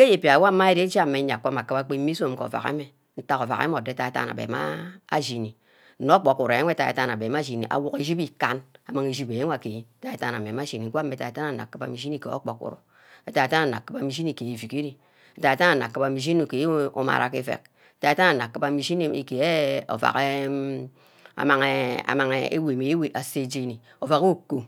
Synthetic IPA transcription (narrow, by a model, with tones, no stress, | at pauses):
ke˦je˨pja˨wo˦ma˦e˦ɾe˦e˦d͡ʒa˦˨mːe˨˦ɲa˨kːʷa˦ma˨kːɨ˦ba˦k͡pe˦mi˦so˦˨m˦ko̰˨va̰˨kḛ˦me˨ | n̩˦ta˦ko˨va̰˨kḛ˦m˦o˨de˦ta˨e˨ta̰˦na̰˨bḛ˨ma̰˦a̰˦ʒi˨ni˨ | n̩˨no˦k͡po˨ku˨ɾe˦e˦ta˨ḛ˨ta˦n˨a˨be˨m˦a˦ʒi˨nḭ˨ʔa̰˨wo˦ke˦d͡ʒi˦bi˦ka˦na˨ma˨ŋe˨ʒi˦be˨e˦ŋʷ˦a˨ke˨ji˦ta˦e˨ta˦na˨m˨e˨m˦a˦ʒi˨ni˨ŋ̩˦kʷa˦mːe˨ta˨e˨ta˦na˨na̰˨kːɨ˦ba̰˨mi˨ʒi˦ni˦˨kḛ˨o̰˦k͡po˨kṵ˨ɾṵ˨ | e˨ta˨e˨ta˦na˨na̰˨kːɨ˦ba˨mi˨ʒi˦ni˦˨ke˨e˨vi˨ke˦ɾi˦ | e˨ta˨e˨ta˦na˨na˨kːɨ˦ba˨mi˨ʒi˦nu˨ke˨˦o̰˦ma̰˨ɾʔa̰˨ke˦fḛ˨k̚ | e˨ta˨e˨˦ta˦na˨na˨kːɨ˦ba˨mi˨ʒi˦ni˦ḛ˨ke˨e˦o̰˨va̰˨ke˦ | a̰˨ma˨ŋe˨a̰˨ma˨ŋe˨ḛ˦we˨me˨˦we˨ʔa˨se˦d͡ʒe˦ni˨ | o˨va˨ko˦kːo˦